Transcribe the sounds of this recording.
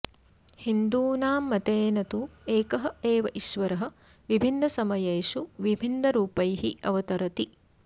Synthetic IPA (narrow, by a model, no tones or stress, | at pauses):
hind̪uːnaːmːɐt̪eːnɐt̪ueːkɐɦɐ̆eːʋɐʔiʃʋɐɾɐɦɐ̆ | ʋibʱinːɐsɐmɐjɐjʃuʋibʱinːɐɾuːpɐjɦiɐʋɐt̪ɐɾɐt̪i